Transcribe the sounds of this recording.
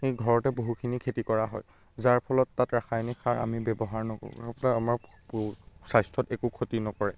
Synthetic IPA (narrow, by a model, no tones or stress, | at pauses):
ejɡʱɔɹɔtɛboɦukʰinikʰetikɔɹaɦɔ̰j | zaɹpʰɔlɔtːatɹaxʰajnikʰaɹa̰mibɛbɔɦaɹnɔko̰apunaamaɹ | sajstʰɔtɛkukʰotinɔkɔɹɛ